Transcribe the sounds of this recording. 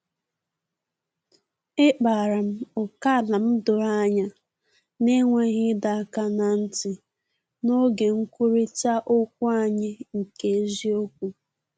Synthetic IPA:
ɪ˦k͡pa˨ɾa˨m̩˦ʊ˨ka˦˨la˨m̩˦dʊ˨ɾa˦ɲa˦ | ne˦ŋʷe˦ɣɪ˦da˨a˦˨ka˦na˨n̩˦tɪ˨ | no˦ɡe˨ŋ̩˦kʷu˦ɾi˦t͡ʃa˦ʔʊ˦k̚ʷu˦a˦ɲɪ˦ŋ̩˨ke˨e˦zi˦o˦k̚ʷu˦

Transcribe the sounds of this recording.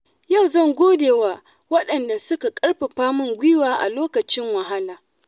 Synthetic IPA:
ja˦˨wzɐ˦˨ŋɡʷoː˦deː˨waː˦ | wɐ˦ɗɐ˨nda˨sʊ˦ka˨kʼɐ˦ɽɸe˨ɸaː˦mʊ˦˨ŋɡʷi˦waː˦ʔa̰˨loː˦kɐ˨t͡ʃɪ˦ŋwɐ˨ɦa˦laː˨

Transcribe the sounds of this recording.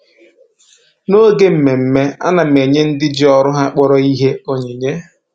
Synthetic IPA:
no˦ɡe˦m̩˨me˨m̩˨me˦a̰˦na˨me˨ɲe˦n̩˦dɪ˦d͡ʒɪ˦ɔ˦ɾʊ˦ɦa˦k͡pɔ˦ɾɔ˨i˦ɦe˦o˨ɲe˨ɲe˦

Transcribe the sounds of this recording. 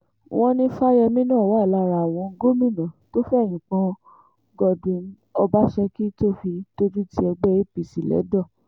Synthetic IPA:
w̃ʔɔ̃˦nĩ˦fa˦jɛ˧mĩ˦nãː˦˨wa˨˦˨la˧˨ɾa˨w̃ɔ̃˧ɡo˦mĩ˦˨nã˨to˦fɛ˦˨j̃ĩ˨k͡pɔ̃˧˦ | ɡɔ˧dũ˨n̩˦ | ɔ˧ba˦ʃɛ˧ki˦to˦fi˧to˦d͡ʒu˦ti˦ɛ˧ɡ͡bɛ˦e˦pi˨si˨lɛ̰˨˦dɔ˦˨

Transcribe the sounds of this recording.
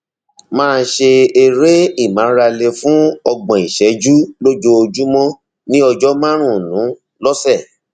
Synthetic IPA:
mãː˦˧˦ʃe˧e˧ɾe˦i˦˨mã˨˦ɾa˧le˧fũ˦ɔ˧ɡ͡bɔ̃˨i˨ʃɛ˨˦d͡ʒu˦lo˦d͡ʒo˧o˧d͡ʒu˦mɔ̃˦ | nĩ˦ɔ˧d͡ʒɔ˦mã˦ɾ̃ũ˦˨nũ˨˦ | lɔ˦sɛ˦˨

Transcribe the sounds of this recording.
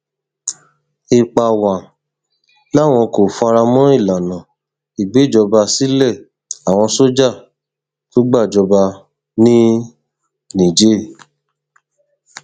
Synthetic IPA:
i˨k͡pa˨wã˨ | la˦˨w̃ɔ̃˧ko˨fa˧ɾa˧mɔ̃˦i˦˨la˨nã˨ | i˨ɡ͡be˨˦˨d͡ʒɔ˧ba˧si˨˦lɛ˦˨ | a˨w̃ɔ̃˧so˦d͡ʒa˦˨ | to˦ɡ͡ba˦˨d͡ʒɔ˧ba˧ | nĩ˦ | nĩ˨d͡ʒe˨˦˨

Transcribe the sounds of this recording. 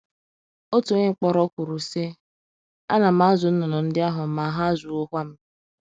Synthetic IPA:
o˦tu˨ɲe˦ŋ͡m̩˦k͡pɔ˦ɾɔ˦kʷu˨ɾu˨se˦ | a˦na˨m̩a˦zʊ˨n̩˦nɔ˨nɔ˨n̩˦dɪ˦a˦ɦʊ˨ma˨˦ɦa˦zu˨o˦ɦʷa˦m̩˦

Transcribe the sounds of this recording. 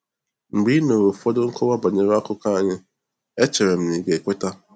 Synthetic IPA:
ŋ͡m̩˨ɡ͡bi˦no˨ɾo˨fɔ˦dʊ˦ŋ̩˦kɔ˦wa˦ba˨ɲe˨ɾa˦kʊ˦ka˦˨ɲɪ˦ | e˦t͡ʃe˨ɾe˨m̩˨ni˨ɡe˨kʷe˦ta˦

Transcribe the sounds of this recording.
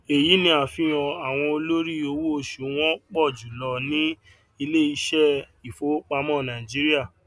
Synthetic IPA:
e˨ji˨˦nĩ˦a˨fĩ˨˦˨j̃ɔ̃˨a˨w̃ɔ̃˧o˧lo˦ɾi˦˨o˧wu˦o˧ʃu˨w̃ɔ̃˦k͡pɔ˦˨d͡ʒu˨lɔ˧nĩ˦ | i˧le˦i˧ʃɛ˦ | i˨fo˨˦k͡pa˧˦mɔ̃˦˨nã˨d͡ʒi˦ɾi˦a˦˨

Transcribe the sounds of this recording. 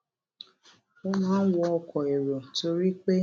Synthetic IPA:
o˦nã˦n̩˦wɔ˦ɔ˧kʰɔ˨e˨ɾo˨to˨ɾi˦k͡pe˦

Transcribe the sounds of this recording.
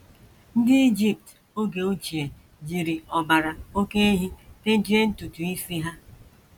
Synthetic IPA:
n̩˦dɪ˦i˦d͡ʒi˦p̚t | o˦ɡe˨o˦t͡ʃi˨e˨ | d͡ʒi˨ɾi˨ɔ˨ba˨ɾa˨o˦ke˦e˦ɦi˦te˦d͡ʒi˦e˦n̩˦tu˨tu˨i˦si˦ɦa˦

